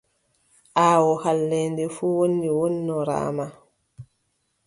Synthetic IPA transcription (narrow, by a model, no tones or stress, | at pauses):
ʔaːwɔhalːɛndɛfuwonːiwonːɔɾa̰ːma